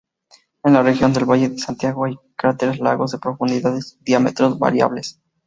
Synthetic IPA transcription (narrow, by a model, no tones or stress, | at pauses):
e̞nlare̞xjo̞nd̪e̞lβaʝe̞ðesant̪jaɣo̞ajkaɾat̪eɾezla̰ɣo̞zðe̞pɾo̞fund̪iðaðesðjame̞̰t̪ɾo̞zβa̰ɾja̰βles